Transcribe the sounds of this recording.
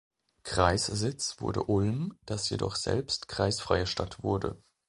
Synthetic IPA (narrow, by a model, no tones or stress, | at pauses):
kʁ̥aɪszɪt͡sv̥ʊ̰ɐdə̰ʔʊlmd̥asjedɔχz̥ɛ̰lpstkʁ̥aɪsfʁ̥aɪəʃtatv̥ʊɐdə̰